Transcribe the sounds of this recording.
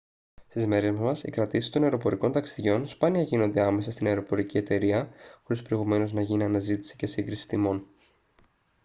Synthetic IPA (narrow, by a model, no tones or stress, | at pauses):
st̪izme̞ɾezmɐsḭkɾɐt̪isi̥st̪o̞nɐeɾo̞po̞ɾiko̞nt̪ɐksiðʝo̞nspɐniɐʝino̞nd̪eɐme̞sɐst̪inɐeɾo̞po̞ɾicie̞t̪e̞ɾiɐxo̞ɾispɾo̞iɣume̞no̞znɐʝiniɐnɐzit̪i̥si̥ce̞siŋɡɾisi̥t̪imo̞n